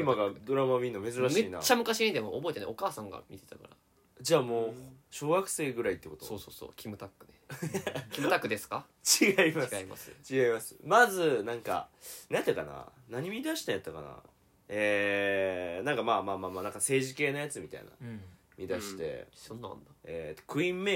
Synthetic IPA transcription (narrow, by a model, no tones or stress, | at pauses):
imaɡad̪o̞ɾamamʲĩnːome̞zɨɾamɕeiːna̰t͡ɕːamɯ̟kaɕiɲid̪emoobo̞et̪eḛo̞kaːsãŋɡa̰mʲit̪e̞t̪aka̰ɾa | d͡ʑaːmo̞ːɕo̞ːɡakɯ̟̥se̞ːɡɯ̟ɾait̪ːe̞ko̞t̪osoːso̰ːso̰ːkʲimɯ̟t̪akːɯ̟nekʲimɯ̟t̪akːɯd̪e̞sɨ̥ka | t͡ɕiɡaimaɡima̰sɨ̰t͡ɕiɡaimasɨ̥mazɨnãŋka̰nat̪ːakana̰ | naɲ̟imʲid̪aɕi̥t̪ajat̪ːaka̰na̰ | e | nãŋkamaːmaːmaːmaːnãŋkase̞ːʑike̞ːnajat͡sɨmʲit̪a̰ḭna̰ | mʲid̪aɕi̥t̪e̞̰sõnːã̰nd̪aetkɯ̟ĩmːe